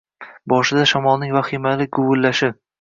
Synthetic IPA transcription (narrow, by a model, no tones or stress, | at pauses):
bɒʃɪd̪aʃamɒlˠnɪŋvaχɪmalɪɡʊɡʊlːaʃɪ